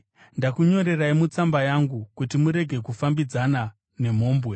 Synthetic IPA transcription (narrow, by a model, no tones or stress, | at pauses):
ndakuɲo̞ɾe̞raimut͡sambajaŋɡukutimuɾe̞ɡʱe̞kufambid͡zana | ne̞m̤o̞ːmbwe̞